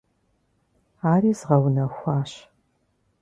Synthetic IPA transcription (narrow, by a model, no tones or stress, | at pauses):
aːriːzʁɐwnɐxʷɑːɕ